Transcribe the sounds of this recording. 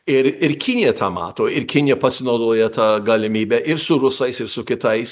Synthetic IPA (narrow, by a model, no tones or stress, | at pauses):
ɪɾɪɾkʲɪnʲɪjɛt̪ʰɑːmɑ̰ːt̪oːɪɾkʲɪnʲɪjɛpɐsʲɪnɐʊd̪oːjɛt̪ɑːɡɐlʲɪmʲiːbʲæʔɪɾsʊɾʊsɐɪsɪɾsʊkʲɪt̪ɐɪs